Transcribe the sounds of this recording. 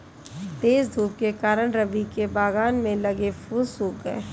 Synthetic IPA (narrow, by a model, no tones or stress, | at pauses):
t̪eːsd̪ʱuːp̚kekaːɾəɽɾəbikebaːɡaːnmẽlɐɡefusuɡəe